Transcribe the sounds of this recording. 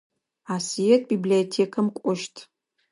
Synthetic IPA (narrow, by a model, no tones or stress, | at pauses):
aːsijetʰʼbiblijotʰekʰɐmkʷʼɔʃtʰ